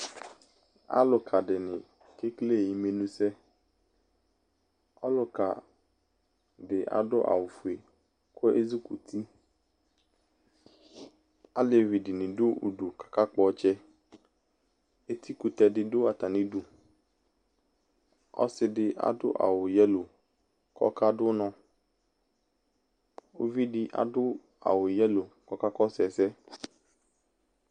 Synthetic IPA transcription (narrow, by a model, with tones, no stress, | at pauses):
a̰˦lʊ˨kʰa˨ɖɪ˨nɪ̃˨ | ke˦kle˦˨ji˨me˨nũ˦sɛ˦ | ɔ̰˦lʊ˨ka̰˨ | ɖɪ˨ʔa̰˨dʊ˦ʔa̰˨wʊ˨fu˨e˨ | kʊ˦ʔe˦zi˦ku˨t̪ʰi˦ | a˦le˨vi˨dɪ˨nɪ̃˨dʊ˦ṵ˨ɖu˨kḁ˨ka˦k͡pɔ˦t͡ʃɛ˦ | e˦t̪ʰi˦ku˨t̪ɛ˨dɪ˦dʊ˦a˨t̪a˨nĩ˦du˨ | ɔ̰˦sɪ˨dɪ˦ʔa̰˨dʊ̰˦ʔa̰˨wʊ˨jɛ˦lo˨ | kʰɔ̰˦ka˦dʊ˦nɔ̃˦ | o̰˦vi˦dɪ˦ʔa̰˨dʊ˦ | a̰˨wʊ˨jɛ˦lo˨kɔ˦ka˦kɔ˦sɛ˨sɛ˦